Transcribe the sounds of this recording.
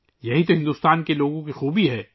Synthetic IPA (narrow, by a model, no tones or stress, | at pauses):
jɐɦit̪oɦɪ̃nd̪ust̪aːnkeloːɡõkixuːbiɦɛː